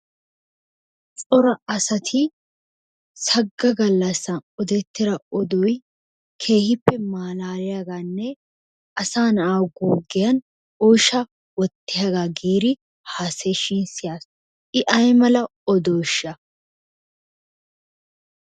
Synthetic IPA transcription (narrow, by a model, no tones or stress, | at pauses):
t͡sʼɔɾɐʔɐsɐt̪ʰɪ | sɐɡːɐɡɐlːɐsːɐɔd̪ɛt̪ːɪɾɐɔd̪ɔj | kʰe̞ːhɪpːɛmaːlaːɾɪjaɡaːnːɛ | ɐsaːnɐʔaːwɡuːɡɪjɐn | oːʃɐ | wɔt̪ːɪjɐɡaːɡiːɾɪ | haːseːʃɪnsɪjaːs | ʔɪʔɐjmɐlɐɔd̪ɔːʃːɐ